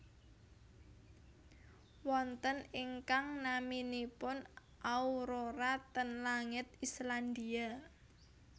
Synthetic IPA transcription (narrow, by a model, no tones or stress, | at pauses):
wɔnt̪əniŋkaŋnaminipʊn | ʔauɾoɾat̪ənlaŋɪt̪̚island̪ia